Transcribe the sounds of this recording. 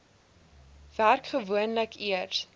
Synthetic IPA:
v̥ærkχəvuənləkʰiərs

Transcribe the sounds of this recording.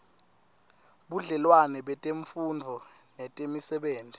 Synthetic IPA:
ɓuɮɛlwanɛɓɛtʼeɱfundʱɔnɛtʼemisɛɓeːndʱi

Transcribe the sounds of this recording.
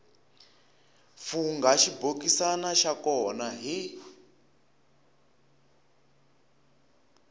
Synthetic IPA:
fuŋɡaʃibokisanaʃakɔnaɦi

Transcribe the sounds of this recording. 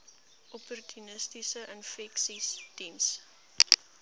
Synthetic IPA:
ʔɔpɔrtʰynəstisəʔənfɛksistims

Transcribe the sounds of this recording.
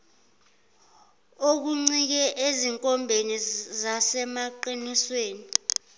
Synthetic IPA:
ok̬uŋ͡ǀik̬ɛʔeziŋkʼɔmbʱenizasɛmaǃinisweːni

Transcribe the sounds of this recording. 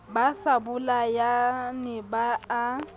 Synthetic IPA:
basabʊlajanɪbaː

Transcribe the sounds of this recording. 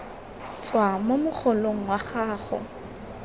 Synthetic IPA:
t͡sʼwamomʊχʰɔloŋ̩waχaːχɔ̰

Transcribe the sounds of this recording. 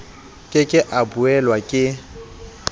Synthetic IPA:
kʼɪkʼɪʔabuɛlwakʼɪ

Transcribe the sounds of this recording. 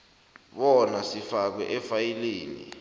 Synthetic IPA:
ɓɔnasifak̬wɛ̰ʔɛfajileːnḭ

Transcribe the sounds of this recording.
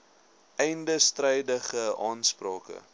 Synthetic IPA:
ɛjndəstrɛjdəχəɑːnsprɑːkə̰

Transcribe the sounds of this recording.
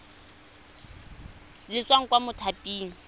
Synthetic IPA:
lɪt͡sʼwaŋ̩kʼwamʊtʰapʼiːŋ̩

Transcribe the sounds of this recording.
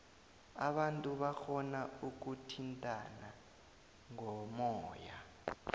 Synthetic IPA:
a̰ɓantʼuɓaxɔnauk̬utʰintʼana | ŋɔmɔːja

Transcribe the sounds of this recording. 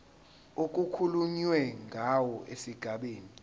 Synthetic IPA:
ok̬ʼukʰuluɲwɛŋʱawɔʔesiɡ̥ʱaɓeːni

